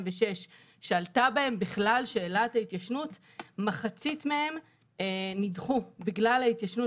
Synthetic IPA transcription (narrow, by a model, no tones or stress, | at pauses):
veʃe̞ʃ | ʃealtabae̞mbiχlalʃe̞ːlathait̪jaʃnut | maχat͡sitmehe̞m | nidχubiɡlalait̪jaʃnu